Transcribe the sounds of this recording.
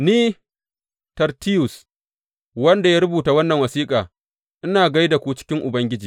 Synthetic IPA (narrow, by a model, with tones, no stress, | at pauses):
niː˦ | tɐ˨rti˦jʊ˨s | wɐ˦nda˨jaː˦ɾʊ˦buː˨ta˨wɐ˦nːɐ˨ŋwɐ˨siː˦kʼaː˨ | ʔɪ˦naː˨ɡa˦jda˨kʷu˦t͡ʃɪ̥˦kʲɪ˦ŋʔʊ˨bɐ˦ŋɡʲɪ˦d͡ʒiː˨